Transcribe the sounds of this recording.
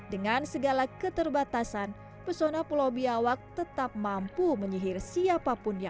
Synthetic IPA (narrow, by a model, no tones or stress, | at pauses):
dəŋansəɡalakət̪ərbat̪asan | pəsonapulobiawak̚t̪ət̪ap̚mampuməɲiɦɪrsiapapʊnja